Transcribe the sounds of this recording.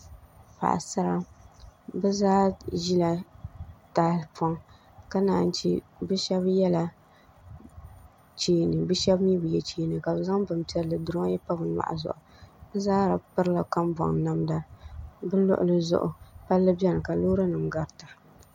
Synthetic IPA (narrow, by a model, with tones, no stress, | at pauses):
pa̰˨ʔa̰˨sa˦ɾa˦ | bɨ˦zaː˦ʒi˦la˨ | taː˦lpʰɔ˦ŋ | ka˦naː˨n˦t͡ʃḭ˦bɨ˦ʃɛ˦bjɛ˦la˨ | t͡ʃeː˦nɨ˨bɨ˦ʃɛ˦bm˦ji˦bɨ˨jɛ˦t͡ʃeː˦nɨ˨ka˨bɨ˨za˦ŋbɨ˨m˦tɛ˦ɾlɨ˨dʊ˦ɾɨ˦ma˦jɛ˦pa˦bɨ˨˦ma̰˨ʔa̰˨zʊ̰˨ʔʊ˨bɨ˦zaː˦ɾa˨pɨ˦ɾla˨ka˦m˦bɔ̰˨ŋ˨na˦mda˦bɨ˦lʊ̰˦ʔʊ̰˦lɨ˦zʊ̰˦ʔʊ̰˨pa˦lːɨ˦bɛ˦nɨ˨ka˨loː˦ɾa˦nɨ˨mɡa˦ɾɨ˨ta˨